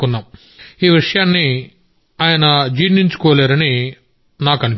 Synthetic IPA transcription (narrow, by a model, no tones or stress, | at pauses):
kunːaːm | iːʋiʂɐjaːnːi | aːjɐnɐd͡ʒiːniɲt͡ʃu̥kɔːleːɾɐni | naːkɐnu